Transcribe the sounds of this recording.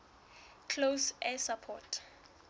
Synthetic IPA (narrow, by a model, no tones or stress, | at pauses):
kʰlosɛsapʰɔ̰tʰ